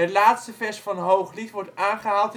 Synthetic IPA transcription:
ətlaːtstəfɛsfɑnɦowχlitʋɔɹtaːnχəɦaːlˠt

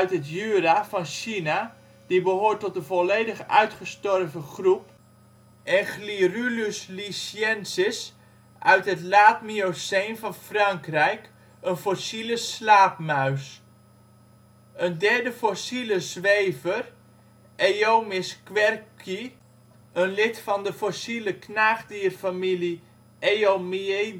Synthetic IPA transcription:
œɥtɦətjyrafɑnʃina | d̥ibəɦoːɹtɔtənvɔleːdəχœ̰ɥtχəstɔrvəχrup | ʔɛnχlirylyslisjɛnsɪs | ʔœɥtɦətlaːtmioseːnfɑnfrɑŋkrɛjk | ənfosiləslaːpmœɥs | əndɛɹdəfosiləzʋejvər | ejomɪskʋɛrki | ənlɪtfɑndəfosiləknaːχdiːrfamili | ejomie

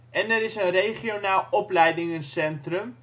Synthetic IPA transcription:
ʔɛnɛɾɪsənrejχionaːlˠɔplɛjdɪŋənsɛntrəm

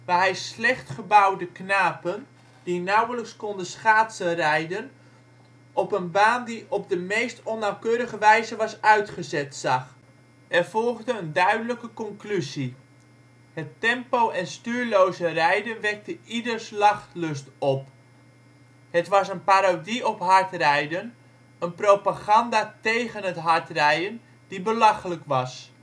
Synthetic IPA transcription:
ʋaɦɛjslɛχtχəbawdəknaːpən | d̥inawələkskɔndəsχaːtsərɛjdən | ʔɔpənbaːndiʔɔb̚dəmejstɔnawkøːɾəɣəʋɛjzəʋɑsœɥtχəzɛtsɑχ | ɛrfɔlˠɣdəəndœɥdələkəkɔŋklyzi | hətɛmpowɛnstyːɹlowzərɛjdənʋɛk̚təidərslɑχtlɵstɔp | hətʋɑsənpaɾodiɔpɦɑɹtrɛjdən | ənprowpaɣɑndaːtejɣənətɦaɹtrɛjən | d̥ibəlɑχələkʋɑs

